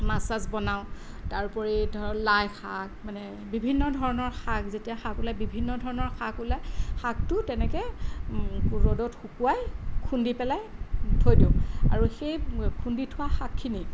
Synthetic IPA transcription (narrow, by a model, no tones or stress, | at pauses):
masazbɔnaw | taɹpɔɹitlajxʰak̚manɛ | bibʱinːɔdʱɔɹɔnɔɹxakzetijaxakulajbibʱinːɔdʱɔɹɔnɔɹxʰakulajxak̚tʊtɛnɛkɛ | uɹodɔtxukuwajkʰundipɛlajtʰojdiʊ̃a̰ɹuxejkʰunditʰʊwaxakʰːini